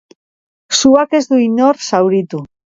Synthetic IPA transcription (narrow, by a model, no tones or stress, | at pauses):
suakezðuinoɾsawɾit̪u